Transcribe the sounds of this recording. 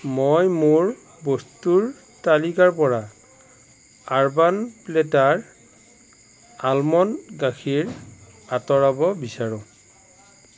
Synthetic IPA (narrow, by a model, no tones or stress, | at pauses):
mojmoɹ | bostuɹ | talikaɹpɔɹa | aɹbanpletaɹ | almɔnɡakʰiɹ | atɔɹabɔbisaɹʊ̃